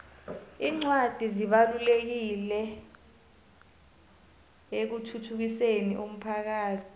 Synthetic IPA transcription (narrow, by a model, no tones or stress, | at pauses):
iːŋ͡ǀwad̥ʱiziɓalulek̬ilɛ | ek̬utʰutʰuk̬iseniʔom̩pʰak̬aːtʰi̥